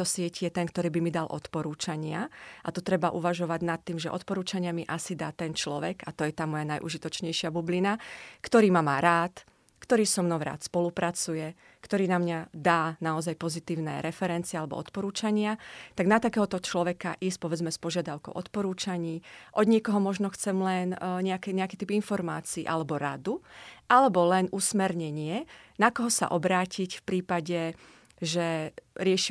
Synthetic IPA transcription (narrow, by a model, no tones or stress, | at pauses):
ɔsɪɛcijɛt̪ɛnkt̪ɔɾiːbimid̪alʔɔ̰t̪pɔɾuːt͡ʃaɲɪaʔat̪ɔt̪ɾɛbaʔuʋaʒɔʋaɟnat̪ːiːmʒɛ̰ʔɔ̰t̪pɔɾuːt͡ʃaɲɪamiʔasid̪aːt̪ɛnt͡ʃlɔʋɛɡat̪ɔjɛt̪aːmɔjanajʔṵʒit̪ɔt͡ʃɲɛjʃɪabublinakt̪ɔɾiːmamaːɾaːt̪ | kt̪ɔɾiːsɔmnɔʊɾa̰ːt̪spɔlupɾat͡sujɛ | kt̪ɔɾiːnamɲad̪aːnaɔzajpɔzit̪iːʊnɛ̰ɾɛfɛɾɛnt̪t͡siɪɛalɛbɔ̰ɔ̰t̪pɔɾuːt͡ʃaɲɪat̪aɡnat̪akɛːɦɔt̪ɔt͡ʃlɔʋɛka̰ʔiːsc̚pɔʋɛd͡zmɛspɔʒɪad̪aʊkɔ̰ʊʔɔ̰t̪pɔɾuːt͡ʃaɲiːʔɔd̪ɲɪɛkɔɦɔmɔʒnɔxt͡sɛmlɛnɲɛakɛɲɛakiːt̪ipinfɔɾma̰ːt͡siːʔalɛbɔɾa̰d̪uʔalɛbɔlɛnusmɛɾɲɛɲɪɛnakɔɦɔsa̰ʔɔbɾaːcʰicfpɾiːpaɟɛ | ʒɛɾɪɛʃi